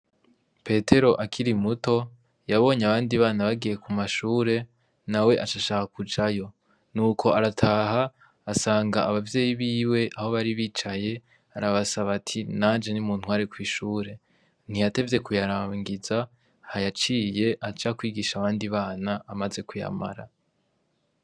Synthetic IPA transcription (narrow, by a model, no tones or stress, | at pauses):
pe̞te̞ɾo̞ʔakʰiɾimuto̞ | jaβo̞ːɲeaβaːndiβaːnaβaɡije̞kumaʃuːɾe̞ | nawe̞ʔat͡ʃaʃaːkakud͡ʒajo̞ | nuːkʰo̞aɾatʰaːɦaː | saːŋɡaaβavje̞ːjiβiːwe̞ʔaho̞βaɾiβiːt͡ʃaje̞ | aɾaβasaβatʰinaːnd͡ʒe̞nimuːn̥hwaːɾekwiːʃuːɾe̞ | n̥iate̞vje̞kujaɾaːŋɡiza | hajat͡ʃiːje̞ʔat͡ʃakwiːɡiːʃaβaːndiβaːnaːmaze̞kuja̰ma̰ɾa̰